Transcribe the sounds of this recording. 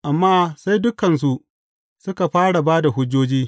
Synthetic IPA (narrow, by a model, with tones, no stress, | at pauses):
ʔa˨mːaː˦sa˦jdʊ˦kɐ˨ns̬u˨ʔ | sʊ˦ka˨ɸaː˦ɽa˨baː˦da˨ɦʊ˦d͡ʒːoː˦d͡ʒiː˦